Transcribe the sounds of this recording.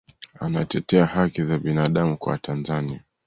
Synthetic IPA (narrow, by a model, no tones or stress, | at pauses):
anatɛtɛahakizaɓinaɗamukwa̰wa̰tanzania